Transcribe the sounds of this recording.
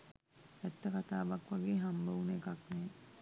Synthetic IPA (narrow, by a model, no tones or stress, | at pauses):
ɛt̪ːəkat̪aːʋakʋaɡeːɦambaʋunekaknɛː